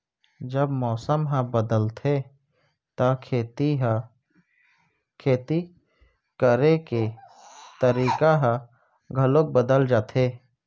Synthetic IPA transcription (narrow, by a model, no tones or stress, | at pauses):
d͡ʒəbmɔːsəmɦãbəd̪əlt̪ʰe | t̪akʰet̪i | kʰeːt̪i | kəɾeke | t̪əɾiːkaɦã | ɡʱəlok̚bəd̪əld͡ʒaːt̪ʰeː